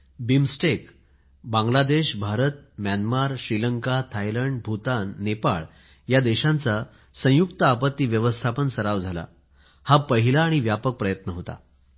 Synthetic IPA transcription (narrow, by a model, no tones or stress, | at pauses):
bimsʈek | bãŋɡlad̪eɕbʱaɾət̪̚mjanmaɾɕɾiləŋkat̪ʰajləɳɖbʱut̪anːepaɭ | jad̪eɕant͡sa | sə̃jukt̪əapət̪ːiːʋjəʋəst̪ʰapənsəɾaʋd͡zʱala̰ | hapəɦilaːɽ̃iʋjapək̚pɾəjət̪nəɦot̪a̰